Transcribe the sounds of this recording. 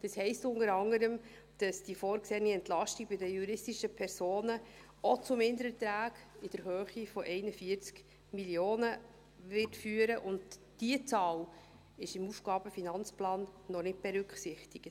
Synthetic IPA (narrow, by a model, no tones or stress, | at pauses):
d̥ɑshɛɪstʊndəɾɑŋəɾəm | d̥ɑsd̥ifoːɾkseːniɛntlɑʃtiɡ̚bɪdəjuɾɪstiʃəpʰɛɾsoːnə | ʔɔt͡sʊmɪnd̪əɾət̪ɾæːɡɪd̥əɾɦøːχifɔʔɛɪnəfiəɾt͡sk | miljoːnə | ʋɪtfyːəɾəʔʊndd̥iət͡sɑːl | ɪʃɪmufɡ̥ɑːb̥əfinɑnt͡splɑːnːɔnɪt̚b̥ɛɾʉkχsɪχtɪkt